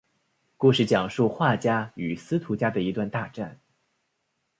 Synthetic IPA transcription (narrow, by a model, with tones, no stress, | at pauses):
ku˥˧ʂɻ̩˥˩t͡ɕjɑ˨˩ŋʂu˥˧xwa˥˩t͡ɕja˥y˨˩sɹ̩˥t̪ʰu˧˥t͡ɕja˥d̪ə˨i˧˥t̪wa˥˧nt̪a˥˧ʈ͡ʂa˥˩n